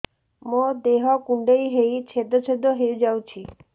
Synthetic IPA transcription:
mod̪eɦɔkuɳɖejɦejt͡ʃʰed̪ɔt͡ʃʰed̪ɔɦeud͡ʒawt͡ʃʰi

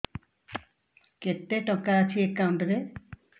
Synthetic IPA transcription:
ket̪ːeʈɔ̃kat͡ʃʰiekːauɳʈd̪e

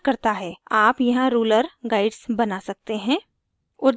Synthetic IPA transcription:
kɐɾt̪aɦɛːaːpjɐɦãɾuːləɾɡaːɪɖsbɐnasɐk̚t̪eɦɛ̃ː | ʊd̪

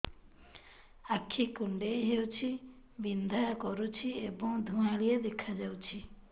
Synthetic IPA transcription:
akʰːikuɳɖejɦewt͡ʃʰi | bind̪ʱakɔɾut͡ʃʰiebɔ̃ŋd̪ʱuãlijed̪ekʰad͡ʒawt͡ʃʰi

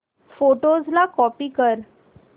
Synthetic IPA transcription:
foʈod͡zlakɔpiːkəɾ

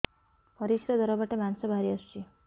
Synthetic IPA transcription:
pɔɾisɾɔd̪ɔɾɔbaʈemansɔbʱaɾiʌst͡ʃʰi

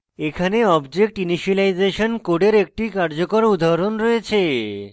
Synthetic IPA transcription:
ekʰaneɔbd͡ʑek̚ʈiniʃilajd͡ʑeʃonkoɖeɾek̚ʈikaɾd͡ʑokoɾud̪ʱaɾonɾɔet͡ɕʰe

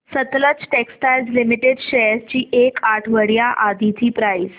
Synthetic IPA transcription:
sət̪lət͡sʈeksʈajlzlimiʈeɖɕeɾst͡ɕiːʔekaʈʰʋəɽjaʔad̪it̪ʰiːpɾais

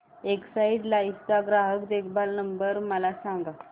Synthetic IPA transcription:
eksaiɖlaist̪aɡɾaɦəkd̪ekʰbʱalnəmbəɾməlasãŋɡa

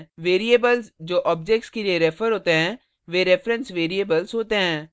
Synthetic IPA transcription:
ʋeːɾiebəlsd͡ʒoːʔɔːbd͡ʒek̚ʈskelieɾefəɾɦoːt̪eɦɛ̃ː | ʋeɾefɾə̃nsʋeːɾiebəlsɦoːt̪eɦɛ̃ː

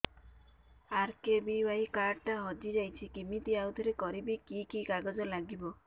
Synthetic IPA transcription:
aɾkebiwaɦikaʈaɦɔd͡ʒid͡ʒajt͡ʃʰikimit̪iawt̪ʰɔɾekɔɾibikikikaɡɔd͡ʒɔlaɡibɔ

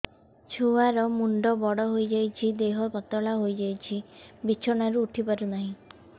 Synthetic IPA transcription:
t͡ʃʰuaɾɔmuɳɖɔbɔɽɔɦojd͡ʒajt͡ʃʰid̪eɦɔbɔt̪ɔɭaɦojd͡ʒajt͡ʃʰibit͡ʃʰɔɽ̃aɾuːʈʰipaɾunaɦĩ

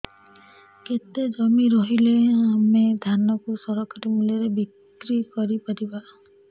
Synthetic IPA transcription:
ket̪ed͡ʒɔmiɾɔɦileamed̪ʱanɔkusɔɾɔkaɾimulɔɾebik | ɾikɔɾipaɾiba

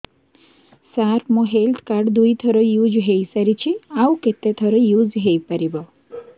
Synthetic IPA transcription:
saɾmɔ̃ɦelt̪ʰkaɾɖd̪ujt̪ʰɔɾɔjud͡ʒɦejsəɾit͡ʃʰiawket̪et̪ʰɔɾɔjud͡ʒɦejpəɾibɔ

